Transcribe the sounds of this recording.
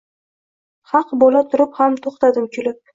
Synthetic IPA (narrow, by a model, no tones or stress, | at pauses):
hɑqbolat̪ʰʊɾɪphamt̪ʰoχt̪ad̪ɪmkʲʰʊlɪp̚